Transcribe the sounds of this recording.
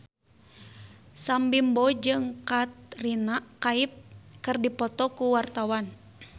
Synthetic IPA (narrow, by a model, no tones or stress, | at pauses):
sambimbɔd͡ʒɨŋkat̪̚rinaʔkaip̚kɨrdipɔt̪ɔkuwart̪awan